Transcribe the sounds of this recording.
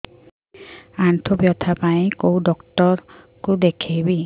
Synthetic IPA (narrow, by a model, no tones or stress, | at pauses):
antʰɔbjɔt̪ʰapaĩkowdɔktɔɾ | kud̪ekʰejbi